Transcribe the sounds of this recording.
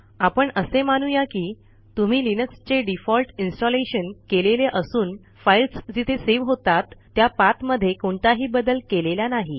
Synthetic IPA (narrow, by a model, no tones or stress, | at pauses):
apəɳəsemañujakiː | t̪um̤iːlinəkst͡ɕeɖifɔlʈinsʈɔleɕənkeleleʔəsuːn | failsd͡ʑit̪ʰeseʋɦot̪at̪ːjapat̪məd̪ʱːjekoɳt̪aɦiːbəd̪əlkeleljanaɦi